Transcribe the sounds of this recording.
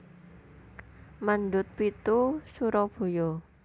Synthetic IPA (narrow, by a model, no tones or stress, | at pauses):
manɖʊt̪̚pit̪usuɾɔb̥o̤jɔ